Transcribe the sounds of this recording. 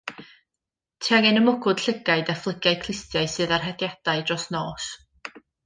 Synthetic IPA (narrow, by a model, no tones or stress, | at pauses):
tʰiaŋɛnəmʊɡʊd̥ɬəɡaɨdaflˠəɡjaɨkʰl̥ˠɪstjaɨsɨːðarɦɛdjad̥aɨdrɔsnoːs